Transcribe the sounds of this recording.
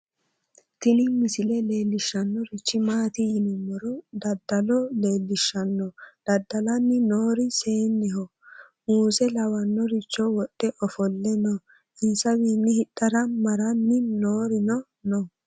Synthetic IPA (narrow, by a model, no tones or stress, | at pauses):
t̪ɪnɪmɪsɪlɛleːlːɪʃːɐnːɔɾɪt͡ʃːɪmaːt̪ɪjɪnʊmːɔɾɔd̪ɐd̪ːɐlɔle̞ːlːɪʃːɐnːɔd̪̥ɐd̪ːɐlɐnːɪnoːɾɪseːnːɛhɔ | muːsɛlɐwɐnːɔɾɪt͡ʃːɔwɔɗːɛʔɔfɔlːɛnɔ | ʔɪːsɐwiːnːɪhɪt̪ʼːɐɾɐmɐɾɐnːɪnoːɾɪnɔ | nɔ